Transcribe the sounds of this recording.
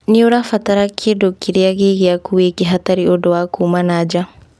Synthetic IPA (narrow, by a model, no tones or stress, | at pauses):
nioɾafat̪aɾakʰːedokːiɾiaɡiɡiakuwekiɦat̪aɾiodɔwakumanaːd͡ʒa